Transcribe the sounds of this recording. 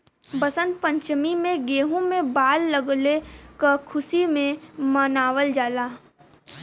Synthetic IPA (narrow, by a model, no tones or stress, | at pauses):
bɐsə̃nd̪̚pə̃ɲt͡ʃmimẽɡeːɦõmẽbaːlːəɡlekakʰʊsimẽmənaːʋəld͡ʒaːlaː